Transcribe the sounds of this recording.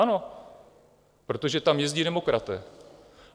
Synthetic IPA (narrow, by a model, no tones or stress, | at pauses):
ano̞ | pɾo̞t̪o̞ʒɛt̪amjɛzɟiːdɛmo̞kɾat̪ɛː